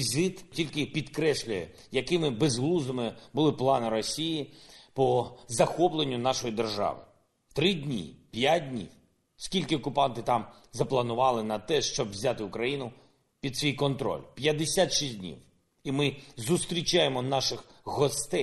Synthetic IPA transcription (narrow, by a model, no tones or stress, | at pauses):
izɪt̪tʲilʲkɪpʲid̪kɾɛsʲlʲʊjɛ̰ | jɐkɪmɪbezɦlˠuzɐmɪbʊlˠɪplˠɑnɪɾɔsʲijipɔzɐxɔplˠenʲːʊnɑʃɔjid̪erʒɑ̰ʋɪ̰ | t̪ɾɪdʲnʲḭpʲjat̚ʲdʲnʲḭw | skʲilʲkɪɔkʊpɑnt̪ɪt̪ɑm | zɐplˠɐnʊʋɑlˠɪnɐt̪ɛʃt͡ʃɔbʋzʲat̪ɪʊkɾɐjinʊ | pʲid̪sʲʋʲijkɔnt̪ɾɔ̰lʲpʲjɐd̪esʲat̪ʃisʲdʲnʲḭw | imɪzʊst̪ɾʲit͡ʃajemɔnɑʃɪxɣɔst̪ɛj